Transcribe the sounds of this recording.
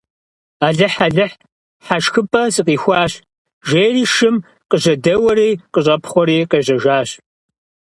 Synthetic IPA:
aːɮɨħaɮɨħ | ħaʃxɨpʼɐsʼɨqiːxʷɑːɕ | ʒeːriːʃɨm | qəʑɐdɐwɐɾiːqəɕʼɐpʰχʷɔɾiːqɐʑɐʒaːɕ

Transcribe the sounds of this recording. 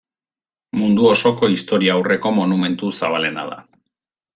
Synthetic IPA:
mund̪uo̞so̞ko̞ist̪o̞ɾiaːwre̞ko̞mo̞nume̞nt̪usaβ̞ale̞na̰ða̰

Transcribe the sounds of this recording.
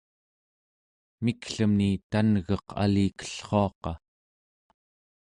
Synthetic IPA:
mikɬəmnit̪anɣʌqʰa̰liːkə̥ɬχo̞ɑqɑ

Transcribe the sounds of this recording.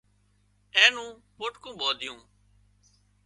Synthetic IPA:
ẽːnũː | pʊʈkũːboːd̪ʱɪjũː

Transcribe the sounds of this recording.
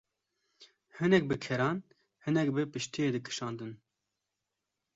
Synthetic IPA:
hɨnɛk̚bɨkʰɛɾɑːn | hɨnɛkbɨpɨʃt̪ijeːd̪ɨkʰɨ̥ʃɑːnd̪ɨn

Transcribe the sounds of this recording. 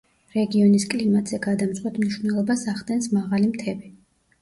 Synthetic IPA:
ɾɛɡiɔniskʼlimat̪ʼz̥ɛɡad̪amzʁwat̪ʰmniʃvnɛlˠɔbasaʁd̪ʼɛnsmaʁalimt̪ʰɛbi

